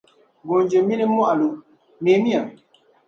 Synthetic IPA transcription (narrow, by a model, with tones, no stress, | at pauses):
ɡo˨nd͡ʒe˨mi˦ne˦m˦a˦ʔa˨lo˨ | me˨˦mi˦a˨